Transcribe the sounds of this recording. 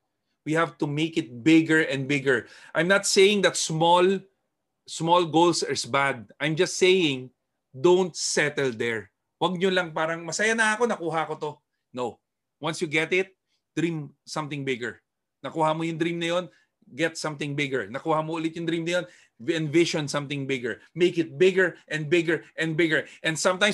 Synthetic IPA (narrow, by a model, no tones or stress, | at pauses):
wihavt̪ʊmeɪkɪt̪̚bɪɡɛɹʔɛ̃nd̪̚bɪɡɛɹ | ʔajmnɐt̪sejɪ̃ŋd̪ɐt̪smɔl | smɔlɡolsɛɹsbad̪̚ʔajmd͡ʒɐst̪sejɪ̃ŋ | d̪õnt̪̚sɛt̪ɛld̪ɛɹ | wɐɡ̚ɲolɐŋpaːɾɐŋmɐsɐjanɐɐko̞nɐkuːɦɐko̞t̪o̞ | now | wɐnsjuɡɛt̪ɪt̪̚ | d̪̥ɾĩmsɐ̃mt̪ɪ̃ŋbɪɡɛɹ | nɐkuːhamojʊŋd̪ɾĩmnɐjo̞n | ɡɛt̪sɐ̃mt̪ɪ̃ŋbɪɡɛɹnɐkuːhamoʔʊlɪt̪̚jʊŋd̪ɾimnɐjo̞n | ɛ̃nvɪʃɔ̃nsɐ̃mt̪ɪ̃ŋbɪɡɛɹmejkɪt̪̚bɪɡɛɹʔɛ̃n̚bɪɡɛɹʔɛ̃nd̪̚bɪɡɛɹʔɛnd̪sɐ̃mt̪ãjm